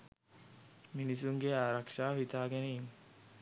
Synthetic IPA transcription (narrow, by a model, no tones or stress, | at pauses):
minisuŋɡeaːɾɐkʂaːhit̪aːɡeneiŋ